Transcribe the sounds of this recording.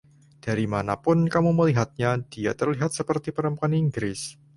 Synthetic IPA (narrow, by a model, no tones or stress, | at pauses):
d̥a̤ɾimanapʊnkamuməliɦat̪̚ɲad̥ia̰t̪ərliɦat̪̚səpərt̪ipəɾəmpuaniŋɡɾɪs